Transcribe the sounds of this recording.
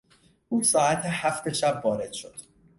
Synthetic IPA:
ʔuːsɒːæt̪ʰehæft̪eʃæbvɒːɾe̞d̪̥ʃo̞d̪̥

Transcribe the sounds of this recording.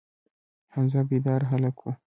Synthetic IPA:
hanzabid̪ɑːɾɦalakʰu

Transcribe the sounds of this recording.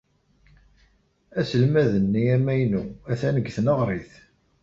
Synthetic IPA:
æsəlmæðənːiæmæjnuæθænəɡθnəʁɾˤɪθ

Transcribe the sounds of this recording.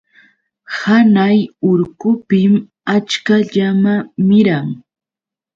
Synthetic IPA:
hanajʊɾkʊpɪm | at͡ʃkaʎamamɪɾaŋ

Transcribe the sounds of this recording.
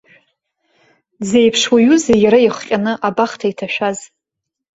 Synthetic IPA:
zejpʰʂwaɥuzejaɾaiχqʲʼanɨʔabaχtʰaitʰaʃᶣaz

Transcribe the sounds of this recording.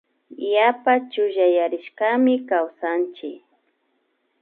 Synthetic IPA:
japat͡ʃʊʒajaɾɪʃkamɪkawsant͡ʃɪk

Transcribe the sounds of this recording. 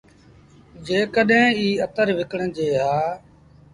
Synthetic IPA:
d͡ʒeːkəɗɦẽːiːət̪əɾʋɪkəɽə̃d͡ʒeːɦaː

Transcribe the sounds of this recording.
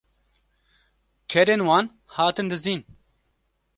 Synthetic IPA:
kʰɛɾeːnwaːn | haːt̪ɨnd̪ɨziːn

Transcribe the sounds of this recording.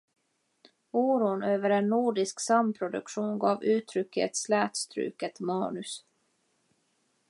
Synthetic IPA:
uːɾuːnøːvəɾɛnːuːɖɪsksampʰɾʊd̪ɵ̰kɧuːnɡɑːvʉ̟ːt̪ʰɾʏkːɛ̰t̪slæːt̪st̪ɾʉ̰ːkət̪mɑ̰ːnɵs

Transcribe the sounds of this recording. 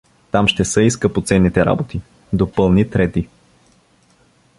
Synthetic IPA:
t̪amʃt̪ɛsəiskəpot̪sɛnːit̪ɛɾa̰bot̪i | d̪opɤlˠnit̪ɾɛt̪i

